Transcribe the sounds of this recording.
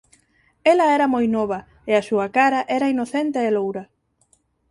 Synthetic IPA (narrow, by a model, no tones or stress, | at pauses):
ɛlɐɛɾɐmojnɔβɐ | ɪɐsuɐkaɾɐʔɛɾɐinoθent̪eːlowɾɐ